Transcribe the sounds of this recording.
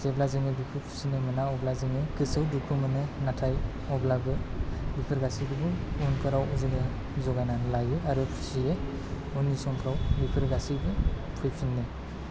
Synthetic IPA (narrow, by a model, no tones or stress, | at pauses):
seblazɯŋɯbipʰɯpʰu̥sinɯmɯnaɔblazɯŋɯkɯsɯwdupʰɯmɯnɯnatʰaj | ɔblabɯbipʰɯɾɡasibɯbɯunkʰɯɾawɔzɯɡɯ | zɔɡananlajuaɾɯpʰu̥sie | unisɔŋkʰɾawbipʰɯɾɡasibɯpʰujpʰinːe